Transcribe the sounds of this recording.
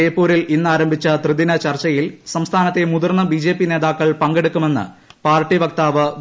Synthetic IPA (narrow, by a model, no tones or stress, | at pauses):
ejpːuːɾilinːaːɾɐmbʱit͡ɕːɐt̪rɨðinɐt͡ɕɐrt͡ɕɐjilsɐmst̪ʰaːnɐt̪ːe̞muðurnːɐbid͡ʑeːpːine̞ːðaːkːɐɭpɐŋɡeɽukːume̞nːɨ̰paːrʈːiʋɐk̚t̪aːʋɨ